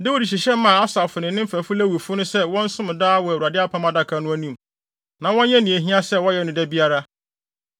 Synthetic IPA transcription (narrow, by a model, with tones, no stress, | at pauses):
dɛ˦wu˦˨di˨ɕ̬i˨ɕɛ˦mã˨a˦sa˨fʊ˨nɪ̃˨nɪ̃˦m̩˦fæ˨fʊ˦læ˦wu˨fʊ˦nʊ̃˦sɛ˦wɔ̃˦n̩˦sʊ̃˦m̃˨daː˦wɔ˨æ˨wu˨ɾa˨dɪ˦a˦pʰa˦mã˦da˦kʰa˨nʊ̃˦æ˦nĩ˦˨m | nã˨wɔ̃˦ɲɛ̃˦nĩ˨æ˨ɦĩ˦a˦sɛ˦wɔ̃˦jɛ˨nʊ̃˨dɛ˦bi˦a˦ɾa˦